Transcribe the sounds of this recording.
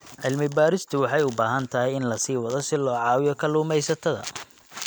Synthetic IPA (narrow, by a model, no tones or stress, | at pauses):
ʕɪlmɪbaːɾɪst̪ʰʊwɑħɑjʊbaːɦɐnt̪ʰɐɦɪjɪnlɐsiːwɐðɔsɪlɔːʕɑːwɪjɔkʰɐluːmɛjsɐt̪ʰɐðɐ̰